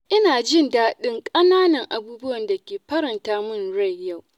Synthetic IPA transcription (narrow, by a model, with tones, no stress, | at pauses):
ʔɪ˦naː˨d͡ʒɪ˦ndaː˦ɗɪ˦ŋkʼɐ˦naː˦nɐ˨ŋʔa˨buː˦bʊ˦wɐ˨nda˨kʲeː˨ɸɐ˦ɾɐ˨ntaː˦mʊ˦˨nɽɐ˦˨jːa˦˨w